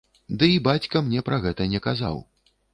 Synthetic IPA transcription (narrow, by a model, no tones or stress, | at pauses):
d̪ɨibat͡sʲkɐmnʲɛpɾɐɣɛt̪ɐnʲɛkaza̰w